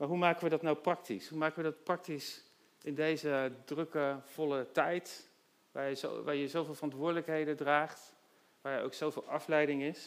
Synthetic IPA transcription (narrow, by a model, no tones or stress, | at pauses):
maːɹɦumaːkəʋədɑtnawprɑktisɦumaːkəʋədɑtprɑk̚tis | ɪndejzədrɵkəv̥ɔlətɛjt | ʋaːjəzo̰ʋaːɹjəzowvɪːlˠvərɑntʋʊːɹdələkɦejdədraːχt | ʋaːɹjəo̰wksowvɪːlˠɑflɛjdɪŋɪs